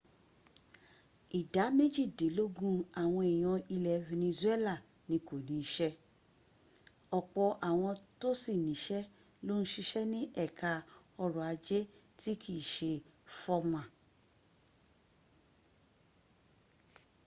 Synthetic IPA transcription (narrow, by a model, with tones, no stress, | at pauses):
i˨da˨˦me˦d͡ʒi˦˨de˨˦lo˦ɡũ˦a˨w̃ɔ̃˧i˨j̃ɔ̃˧i˧lɛ˨vĩ˧nĩ˧ze˦la˦˨ | nĩ˨˧˦ko˨nĩ˨˦ʃɛ˦ | ɔ˨k͡pɔ˧ʔa˨w̃ɔ̃˧to˦si˦˨nĩ˨˦ʃɛ˦ | lo˦n̩˦ʃi˧ʃɛ˦nĩ˦ʔɛ˦˨ka˧ɔ˧ɾɔ̃˨a˨˧d͡ʒe˦ | ti˦kʰi˦˨ʃe˧fɔ˦mã˨